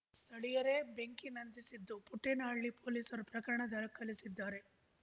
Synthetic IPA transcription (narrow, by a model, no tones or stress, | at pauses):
st̪ʰɐɭijɐɾe̞be̞ŋkinɐnd̪isid̪ːupuʈːenaːɭːipʰo̞ːliːsɐɾupɾɐkɐɾɐɳɐd̪ɐɭɐkɐlisid̪ːaːɾe̞